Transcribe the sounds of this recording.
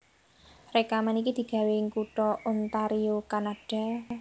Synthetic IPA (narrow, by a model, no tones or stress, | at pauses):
rekamanikid̪̥i̤ɡ̥ä̤weŋkuʈɔont̪aɾiokanaɖ̥a̤